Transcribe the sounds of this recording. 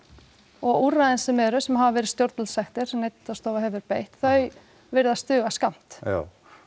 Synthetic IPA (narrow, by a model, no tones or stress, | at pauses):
ɔɣuraðɪnsɛmɛɾʏsɛmɦavavɛːɾɪst̪jowɾt̪lsɛxt̪ɪɾ̥nejt̪ːast̪oːwvaɦɛvʏɾpeːjht̪θœɥ | vɪɾðast̪ʏːɣaskam̥t̪a̰